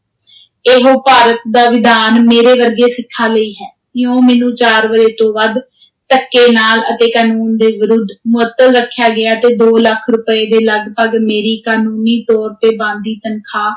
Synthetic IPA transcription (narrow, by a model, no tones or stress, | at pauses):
eɦoːpaːɾət̪d̪aːʋɪd̪aːnmeːɾeːʋəɾɡeːsɪkʰːaːləiːɦɛː | kjõːmɛ̃ːnũːt͡ʃaːɾʋəɾeːt̪õːʋəd̪ | t̪əkːeːnaːlət̪eːkaːnuːnd̪eːʋɪɾʊd̪ʱːmʊət̪ːəlɾəkʰːjaːɡɪaːt̪eːd̪oːləkʰɾʊpəeːd̪eːləɡpəɡmeːɾiːkaːnuːniːʈ̪ɔːɾt̪eːbãːnd̪iːt̪ənkʰaː